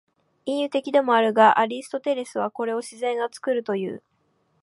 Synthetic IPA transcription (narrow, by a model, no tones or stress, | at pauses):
ĩjɯ̟t̪e̞kʲid̪e̞mo̞aɾɯ̟ɡaʔaɾʲisɨ̥t̪o̞t̪e̞ɾe̞sɨβ̞ako̞ɾe̞o̞ɕizẽ̞ŋɡat͡sɨ̥kɯ̟ɾɯ̟t̪o̞jɯ̟̰ː